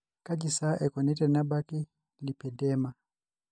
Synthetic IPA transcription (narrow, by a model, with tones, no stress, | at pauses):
ka˦d͡ʒi˨sa˦ʔɛ˨kɔ˨nɛ˦ta˨na˦ba˦ki˦ | li˨pɛ˨dɛ˦ma˨